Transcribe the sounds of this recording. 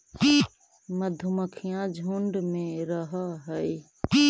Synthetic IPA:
məd̪ʱʊməkʰijãd͡ʒʱoːɳɖmẽɾəɦəɦəi

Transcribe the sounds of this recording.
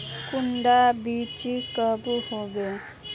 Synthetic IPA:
kuɳɖabit͡ʃikəbuhobe

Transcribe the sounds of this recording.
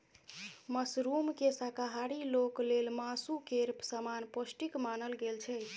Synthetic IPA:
məsɾumkesakaɦaɾiloklelmasukeɾpsəmanposʈikmanəlɡelt͡ʃʰɛ

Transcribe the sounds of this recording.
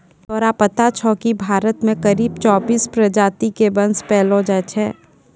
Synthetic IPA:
t̪ɔːɾapət̪at͡ʃʰɔːkibʱaːɾət̪mẽkɐɾiːb̚t͡ʃɔːbiːspɾɐd͡ʒaːt̪ikebɐ̃nspɛːlõd͡ʒat͡ʃʰɛ̰̃ː

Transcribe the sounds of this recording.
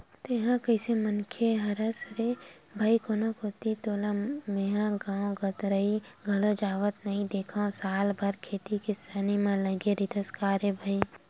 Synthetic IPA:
t̪eɦãkɐɪsemənkʰeɦɐɾəsɾe | bʱaikonokoːt̪it̪oːlameɦãɡãːõɡət̪ɾəiɡʱɐlod͡ʒaːʋət̪nɐɦĩd̪eːkʰãsaːlbʱɐɾkʰeːt̪ikɪsaːnimãlɐɡeɾid̪əskaːɾebʱəi

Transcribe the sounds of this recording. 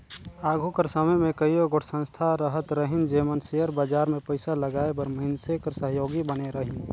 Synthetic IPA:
aːɡʱukəɾsəməmẽkəioɡoʈʰsə̃nst̪ʰaɾəɦət̪ɾəɦɪnd͡ʒeːmənsejəɾbad͡ʒaːɾmẽpəɪsaləɡaːebəɾməɪnsekəɾsəɦjoːɡibəneɾəɦɪn

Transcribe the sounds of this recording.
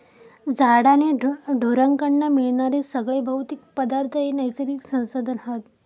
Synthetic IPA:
d͡zaɽaneɖʱoɾaŋkəɳːamiɭɳaɾesəɡɭebʱəwt̪ikpəd̪aɾt̪ʰəenəjsəɾiksə̃w̃sod̪ənɦat̪

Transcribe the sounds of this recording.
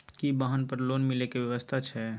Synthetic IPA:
kibaɦənpəɾloːnmɪlekeʋjɐʋəst̪ʰat͡ʃʰɛ

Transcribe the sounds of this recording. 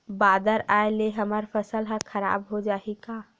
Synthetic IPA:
baːd̪əɾaːeleɦɐməɾfəsəlɦə̃kʰɐɾa̰ːbɦod͡ʒaːikaː

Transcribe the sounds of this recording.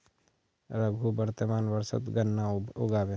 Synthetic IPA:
ɾəɡʱubəɾt̪əmaːnʋəɾsə̰t̪ɡɐnːaoɡaːbe

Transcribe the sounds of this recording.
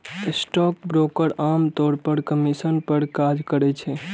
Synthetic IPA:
sʈɔk̚bɾokəɾamt̪oɾpəɾkəmisənpəɾkad͡ʒkəɾɛt͡ʃʰɛ

